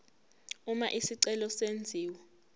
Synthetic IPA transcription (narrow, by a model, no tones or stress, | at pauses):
uma̰ʔisiǀɛlɔsend͡zʱiːwɛ